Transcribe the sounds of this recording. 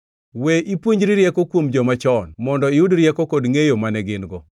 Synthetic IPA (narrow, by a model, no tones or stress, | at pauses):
weʔipwoɲd͡ʒɾiɾjɛkokwomd͡ʒɔmat͡ʃɔnmɔndɔiudɾjɛkokodŋejomanɛɡɪnɡɔ